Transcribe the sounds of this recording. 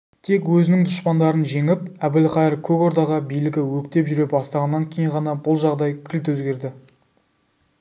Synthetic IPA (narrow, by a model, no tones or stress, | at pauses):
t̪ʰe̞kwɵzɪnɪŋd̪ʊʃpɑnd̪ɑɾənʒe̞ŋɪp̚æbɪlqɑjɪɾkʲʰɵko̞ɾd̪ɑʁɑbijlɪɡʲɪwɵkt̪e̞pʒʏɾe̞pbɑst̪ɑʁɑnːɑŋkʲʰe̞jiɴʁɑnɑbʊlˠʒɑʁd̪ɑjkʲʰɪlt̪wɵzɡʲe̞ɾd̪ɪ